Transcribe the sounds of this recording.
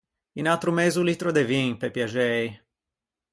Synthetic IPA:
inawt̪ɾumezulit̪ɾod̪evĩŋpepjaʒej

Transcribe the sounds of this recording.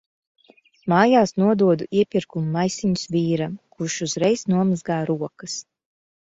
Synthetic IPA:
maːjaːsnuɔd̪uɔd̪uʔiɛpʲiɾkumuːajsiɲusvʲiːɾakuʃuzɾɛjsnuɔmazɡaːɾuɔkɐs

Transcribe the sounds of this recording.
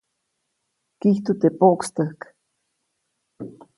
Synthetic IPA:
kiht̪ut̪epoʔkst̪əhk

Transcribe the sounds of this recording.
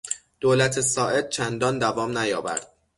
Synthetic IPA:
d̪̥oːlæt̪ʰesɒːʔe̞d̪̥̚t͡ʃʰænd̪ɒːnd̪ævɒːmnæjɒːvæ̰ɾd̪̥̚

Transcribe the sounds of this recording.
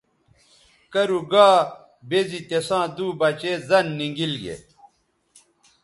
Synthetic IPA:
kɐɾuɡaː | bezit̪esãːd̪uːbɐt͡ɕeːzɐnːiŋɡilɡḛ

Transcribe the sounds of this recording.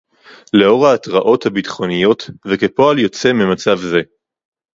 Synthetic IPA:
leo̞ʁaːtʁaʔo̞thabitχo̞nijo̞tveke̞po̞aljo̞t͡se̞mimat͡savze̞

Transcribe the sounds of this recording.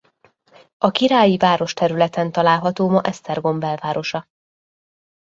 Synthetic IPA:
ɒkiɾaːjivaːɾo̞ʃt̪ɛɾylɛt̪ɛnt̪ɒlaːlɦɒt̪oːmɒʔɛst̪ɛrɡo̞mbɛlvaːɾo̞ʃɒ

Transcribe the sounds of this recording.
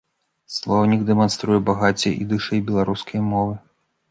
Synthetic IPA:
slˠɔwnʲiɡd̪ɛmanst̪ɾujɛbaɣat͡sʲɛḭd̪ɨʂɛjbʲɛlˠaɾuskʰɐjmɔvɨ

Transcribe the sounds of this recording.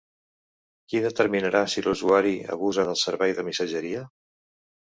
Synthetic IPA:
kiðət̪əɾminəɾʔasiluzuaɾiə̰βuzənəlˠsəɾβɛjðəmisəʒəɾiə

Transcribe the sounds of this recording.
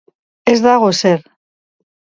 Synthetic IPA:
ezðaɣ̞o̞se̞ɾ

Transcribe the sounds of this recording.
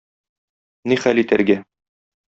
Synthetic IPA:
niχælit̪æ̰ɾɡæ

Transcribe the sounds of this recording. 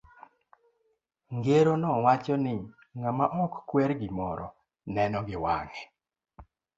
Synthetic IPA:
ŋɡeɾonɔwat͡ʃɔnɪ | ŋamaʔɔkkwɛɾɡɪmɔɾɔ | nɛnɔɡɪwa̰ŋɛ

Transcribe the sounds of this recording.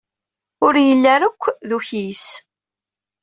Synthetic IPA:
ʊɾjəlːæɾəkʷːðuçis

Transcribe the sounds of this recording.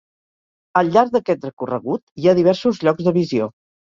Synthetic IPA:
əlʎːaɾɡ̚d̪əkɛt̪rəkurə̰ɣut̪iaðiβɛɾsuzʎɔɡzðəβizio

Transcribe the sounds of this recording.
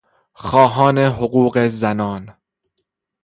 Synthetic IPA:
xɒːɦɒːneɦoɣuːɢezænɒːn

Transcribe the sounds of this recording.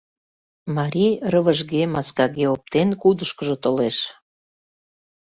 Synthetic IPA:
mɑɾʲijrəβəʒɣemɑskɑɣeop̚t̪enkud̪əʃkəʒot̪oleʃ

